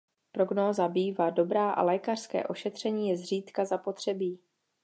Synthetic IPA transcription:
pɾo̞ɡnoːzabiːvado̞bɾaːʔa̰lɛːkar̥skɛ̰ːʔo̞ʃɛt̪r̝̥ɛɲiːjɛzr̝iːt̪kazapo̞t̪r̝̥ɛbiː

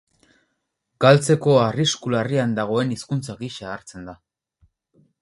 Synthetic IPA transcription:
ɡ̥alt͡se̞ko̞ariskulariand̪aɣ̞o̞e̞niskunt͡saɣiʃaːɾt͡se̞nd̪a

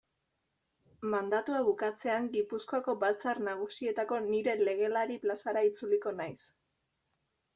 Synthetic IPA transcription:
mand̪at̪uaβukat͡se̞aŋɡipuskoako̞bat͡sarnaɣ̞usie̞t̪ako̞niɾe̞le̞ɣ̞e̞laɾiplasaɾait͡suliko̞najs

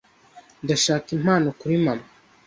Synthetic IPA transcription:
ndaʃaːkim̥haːnokuɾimama

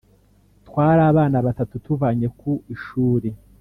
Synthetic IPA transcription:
tkwaːɾaːβaːnaβatatutuvaɲe̞kuiʃuːɾe

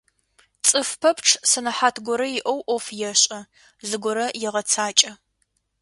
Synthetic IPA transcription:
t͡sʼɨfpʰɐpʰʈ͡ʂʰsɐnɐħaːtʰɡʷɔɾɐjɪʔɐwʔʷɔfjɛɕʼɐ | zɨɡʷʊɾɐjɪʁɐt͡sʰaːt͡ʃʼɐ

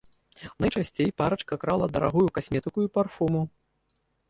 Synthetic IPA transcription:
nɐjt͡ʂasʲt͡sʲejpaɾɐt͡ʂkɐkɾalˠɐd̪ɐɾa̰ɣujukasʲmʲɛt̪ɨkujuparfumu

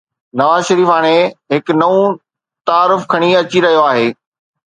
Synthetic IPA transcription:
nɐʋaːzʃɐɾiːfaːɽ̃eɦɪknɐũ | t̪aːɾʊfkʰɐɽ̃iɐt͡ɕiɾɐɦijoaːɦeː

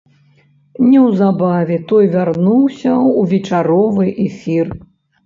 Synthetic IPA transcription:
nʲɛwzabavʲɛt̪ɔjvʲarnuwsʲɐuvʲɛt͡ʂaɾɔvɨʔɛfʲir

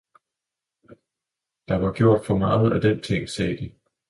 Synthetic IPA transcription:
d̥ɑ̈ʋɑ̈ɡ̥jo̝ɐ̰d̥fɒ̽mɑ̈ːð̞̩ˠæd̥ent͡sʰeŋ̰sɛːd̥i

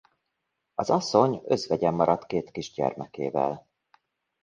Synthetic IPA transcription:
ɒzɒsːo̞ɲø̞zʋɛɟɛmːɒɾɒt̪keːt̪kiʒɟɛ̰rmɛkḛːvɛ̰l

